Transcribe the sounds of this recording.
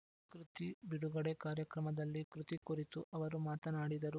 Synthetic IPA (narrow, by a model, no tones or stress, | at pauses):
kɾut̪ibiɽuɡɐɽekaːɾjɐkɾɐmɐd̪ɐlːikɾut̪ikuɾit̪uʔɐʋɐɾumaːt̪ɐnaːɽid̪ɐɾu